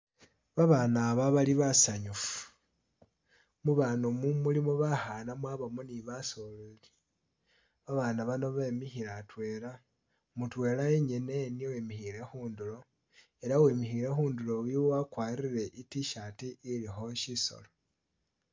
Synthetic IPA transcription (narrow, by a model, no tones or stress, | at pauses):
βaβaːnaːβaβaliβasaɲufu̥ | muβanomumulimoβaxanamwaːβamoniβasoleli | βaβaːnaβano̞βe̞mixiɾatwe̞ːla | mutwe̞ːlaeɲene̞niwemixiɾe̞xuːndulo̞ | e̞lawemixiɾe̞xuːndulo̞wiwakwaːriɾe̞ʔitiʃatiːlixo̞ʃiso̞̰lo